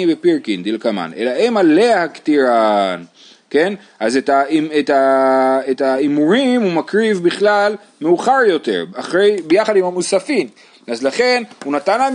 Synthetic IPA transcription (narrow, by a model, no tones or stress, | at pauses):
ibepiʁkind̪ilkama̰ne̞̰laemaleahakt̪iʁan | ken | ʔazetaietaetaimuʁimumakʁivbiχlal | meuχaʁjo̞t̪e̞̰ʁaχʁejbejaχad̪imamusafim | azlaχe̞nhunat̪ana